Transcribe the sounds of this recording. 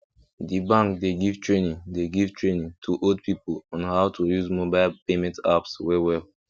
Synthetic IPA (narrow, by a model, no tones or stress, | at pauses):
dibãŋkdeɡivtʰɹẽnĩŋdeɡivtʰɹẽnĩŋtʰuʔodpʰipolɔ̃nhaʊtʰujuzmobaɪlpemɛ̃nta̰pswɛwɛl